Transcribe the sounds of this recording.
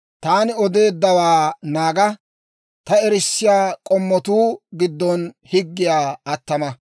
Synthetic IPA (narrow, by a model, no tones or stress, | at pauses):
t̪aːnɪɔd̪e̞ːd̪ːɐwaːnaːɡɐ | t̪ɐɛɾɪsːɪjaːkʼɔmːɔt̪uːɡɪd̪ːɔn | hɪɡːɪjaːɐt̪ːɐmɐ